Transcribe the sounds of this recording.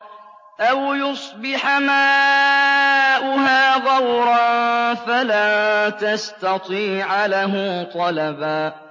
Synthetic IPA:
ʔawjʊsˤbɪħamaː | ʔʊɦaːðɑwɾˤɑnfalant̪ast̪ɑt̪ˤiːʕlaɦʊt̪ˤɑlɑbaː

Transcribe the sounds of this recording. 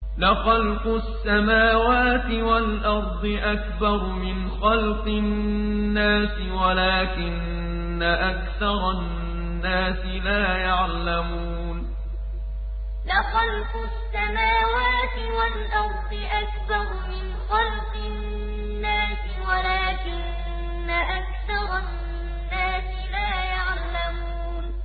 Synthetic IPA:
lɪxɑlqʊsːamaːwaːt̪ɪwalʔɑɾˤd̪ˤɨʔakbɑɾˤmɪnxɑlqɪ | nːaːsɪwalaːkɪnː | aʔakθɑɾˤɑ | nːaːsɪlaːjaʕlamuː | n | lɪxɑlqʊsːamaːwaːt̪ɪwalʔɑɾˤd̪ˤɨʔakbɑɾˤmɪnxɑlqɪː | aːsɪwalaːkɪnː | aʔakθɑɾˤɑ | nːaːsɪlaːjaʕ | lamuːn

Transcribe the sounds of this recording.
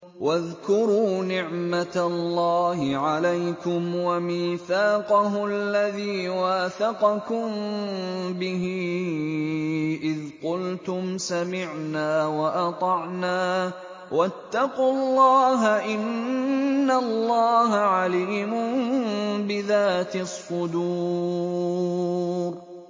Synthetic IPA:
waðkʊɾuːnɪʕmat̪alːaːhɪʕalajkʊmwamiːθaːqɑɦʊalːaðiːwaːθɑqɑkʊm | bɪɦiː | ʔɪðqʊlt̪ʊmsamɪʕnaːwɑʔɑt̪ˤɑʕnaː | wat̪ːɑquɑlːɑːɦaʔɪnː | alːɑːɦaʕaliːmʊnbɪðaːt̪ɪsˤːʊd̪uː | ɾ

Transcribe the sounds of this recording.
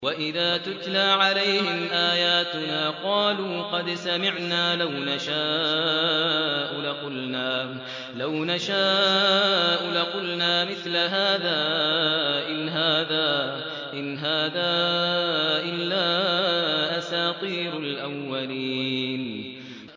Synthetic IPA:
waʔɪðaːt̪ʊt̪laːʕalajhɪmʔaːjaːt̪ʊnaːqɑːluːqɑd̪samɪʕnaːlawnaʃaː | ʔʊlaqʊlnaː | lawnaʃaː | ʔʊlaqʊlnaːmɪθlaɦaːðaː | ʔɪnɦaːðaː | ʔɪnɦaːðaː | ʔɪlːaː | ʔasaːq̪ˤiːɾalʔawːalin

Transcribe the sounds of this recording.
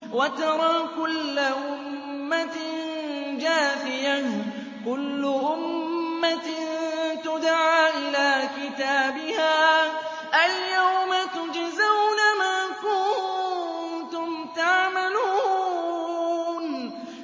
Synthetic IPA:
wat̪ɑɾˤɑːkʊlːaʔʊmː | at | d͡ʒaːfɪja | kʊlːʊʔʊmːa | t̪ʊd̪ʕaːʔɪlaːkɪt̪aːbɪhaː | ʔaljawmat̪ʊd͡ʒzawnamaːkʊ | nt̪ʊmt̪aʕmaluː | n

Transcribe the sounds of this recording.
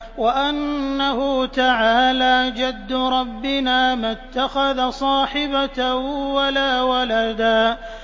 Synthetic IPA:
waʔanːahʊt̪aʕaːlaːd͡ʒad̪ːʊɾˤɑbːɪnaːmat̪ːaxaðasˤɑːħɪbawalaːwalad̪aː

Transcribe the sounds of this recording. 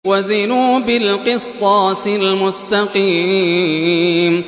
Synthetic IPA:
wazɪnuːbɪlqɨst̪ˤɑːsɪlmʊst̪aqiː

